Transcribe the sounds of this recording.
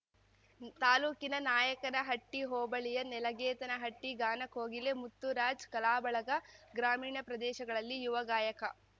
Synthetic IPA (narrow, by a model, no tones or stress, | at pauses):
t̪aːluːkinɐnaːjɐkɐɾɐɦɐʈːiɦoːbɐɭijɐnɛlɐɡɛːt̪ɐnɐɦɐʈːiɡaːnɐkoːɡilemut̪ːuɾaːd͡ʒkɐlaːbɐɭɐɡɐɡɾaːmiːɳɐpɾɐd̪ɛːʃɐɡɐɭɐlːijuʋɐɡaːjɐkɐ